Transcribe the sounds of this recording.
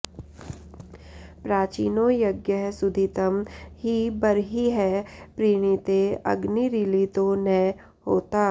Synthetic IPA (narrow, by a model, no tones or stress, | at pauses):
pɾaːt͡ʃiːnojɐɡjəɦsʊd̪ʱɪt̪əmɦibɐɾɦiɦɛpɾiːɽ̃it̪eɐ̰ɡniɾɪlit̪onɛ | hoːt̪aː